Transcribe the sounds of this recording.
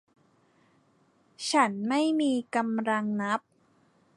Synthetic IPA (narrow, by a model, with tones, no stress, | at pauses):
t͡ɕʰa˦˥nma˥˩jmiː˧ka˧mɾa˧ŋna˦˥p̚